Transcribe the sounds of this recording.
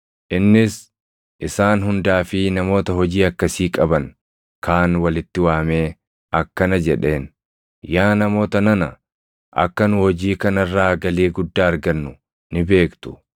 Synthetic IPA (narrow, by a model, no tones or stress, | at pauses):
ʔɪnːɪs | ʔɪsaːnɦʊnd̪aːfɪnɐmo̞ːt̪ɐɦɔd͡ʒiːɐkːɐsiːkʼɐbɐn | kaːnwɐlɪt̪ːɪwaːme̞ː | ɐkːɐnɐd͡ʒɛᶑe̞ːn | jaːnɐmo̞ːt̪ɐnɐnɐ̰ | ʔɐ̰kːɐnʊhɔd͡ʒiːkɐnɐrːaːɡɐleːɡʊd̪ːaːɐɾɡɐnːʊ | nɪbe̞ːkt̪ʊ̥